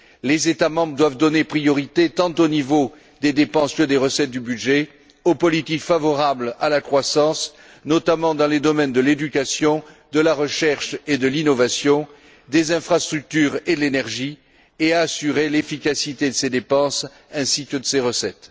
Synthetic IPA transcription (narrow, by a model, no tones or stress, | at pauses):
lezet̪amɑ̃bʁəd̪wavd̪ɔnepχijɔʁit̪et̪ɑ̃t̪onivo | d̪ed̪epɑ̃skəd̪eʁəsɛt̪̚d̪ybyd̪ʒe | opɔlit̪ikfavɔʁablalakχwasɑ̃s | nɔt̪amɑ̃d̪ɑ̃led̪ɔmɛnd̪əled̪ykasjɔ̃ | d̪əlaʁəʃɛʁʃed̪əlinɔvasjɔ̃ | d̪ezɛ̃fχast̪χyk̚t̪yʁed̪əlenɛʁʒi | eaːsyʁelefikasit̪ed̪əsed̪epɑ̃s | ɛ̃sikəd̪əseʁəsɛt̪